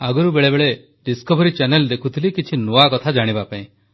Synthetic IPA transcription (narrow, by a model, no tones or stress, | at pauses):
aɡɔɾubeɭebeɭe | ɖiskɔbʱɔɾit͡ʃɛneld̪ekʰut̪ʰilikit͡ʃʰinoakɔt̪ʰad͡ʒaɽ̃ibapaĩ